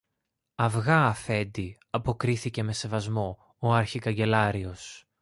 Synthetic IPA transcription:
ɐvɣɐːfe̞nd̪i | ɐpo̞kɾiθice̞me̞se̞vɐzmo̞ | oɐɾçikɐɲɟe̞lɐɾio̞s

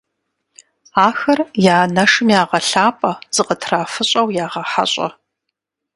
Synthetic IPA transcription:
aːxɐrjaːnɐʂɨmjaːʁɐɬaːpʼɐz̥ɨqʼətʰraːfɨɕʼɐwjaːʁɐħa̰ɕʼɐ̰

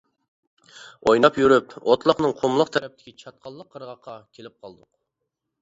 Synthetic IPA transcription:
ojnɑpjyɾypot̪lˠəqnɨŋqʰomlˠəqt̪ʰɛɾɛp̚t̪ʰɪ̥kʲʰit͡ʃʰɑt̪̚qʰɑlˠːəqʰːəɾʁɑqʰːɑkʲʰelɪp̚qʰɑlˠd̪ʊq

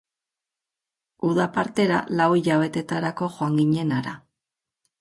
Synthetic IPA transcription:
uðapaɾt̪e̞ɾa̰lawiʎaβ̞e̞t̪e̞t̪aɾako̞ʝoaŋɡiɲe̞naɾa

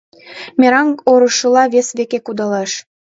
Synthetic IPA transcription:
mʲeɾɑŋɡoɾɤʃɤlɑβesβekekud̪ɑleʃ

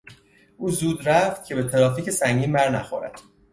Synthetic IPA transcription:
ʔuːzuːd̪ɾæft̪̚cʰe̞be̞t̪ʰeɾɒːfiːcesæŋɟiːnbæɾnæ̰xo̰ɾæ̰d̪̥

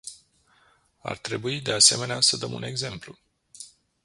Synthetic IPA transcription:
a̰rt̪ɾe̞buid̪e̞ase̞me̞neasəd̪əmṵne̞ɡze̞mplu

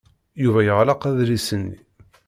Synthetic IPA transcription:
juvæjəʁlɑqæðlisənːḭ

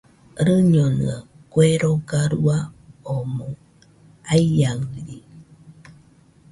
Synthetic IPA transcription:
ɾɨɲonɨ̰ə | kweɾoɡaɾuaomoŋ | aijaŋɾi

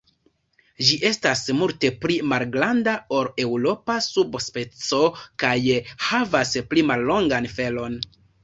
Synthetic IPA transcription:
d͡ʒiʔe̞stasmulte̞plimalɡɾandao̞ɾe̞wɾo̞pasubspe̞t͡so̞kajhavasplimalːo̞ŋɡanfe̞lo̞n

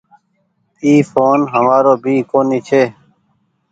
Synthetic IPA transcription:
iːfʰoːnɦəmaːɾoːbʱiːkoːniːt͡ʃʰeː

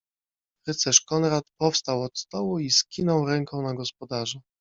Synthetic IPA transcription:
ɾɘt̪sɛʂkɔnɾat̪pɔfst̪awɔt̪st̪ɔwuiskʲinɔwɾɛŋkʰɔ̃w̃naɡɔspɔd̪aʐɛ

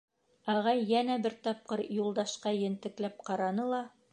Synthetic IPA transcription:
ɑʁɑjːænæbɘɾt̪ɑp̚qɤɾjulˠd̪ɑʃqɑjɘ̆nt̪ɘ̆klæp̚qɑɾɑnɤlˠɑ

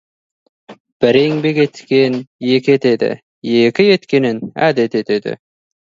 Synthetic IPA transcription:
b̥æɾeŋbeɡet̪kenjeket̪ed̪ḛ | jekɪjet̪kenɪnæ̰d̪et̪et̪ed̪ḛ

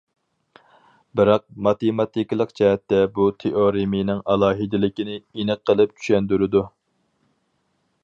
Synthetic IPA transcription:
bɪɾɑq̚mɑt̪emɑt̪ikʲlˠəqt͡ʃɛɦɛt̪ːɛbut̪ʰeʔoɾimijnɪŋɑlˠɑːɦid̪ɪlɪkʲinɪenɨqʰːəlˠɨp̚t͡ʃʰy̥ʃɛnd̪yɾɪd̪u

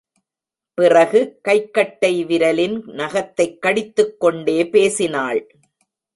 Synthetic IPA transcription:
pɪrɐɣɯkɐɪkːɐʈːɐɪʋɪɾɐlɪnnɐɣɐt̪ːɐɪkːɐɽɪt̪ːɯkːɔɳɖeːpeːsɪnaːɭ

